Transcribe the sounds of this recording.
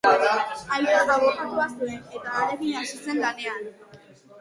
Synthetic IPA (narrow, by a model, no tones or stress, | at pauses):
ajeaðaβokat̪uasuene̞t̪aːɾeɣiɲasise̞ŋɡanean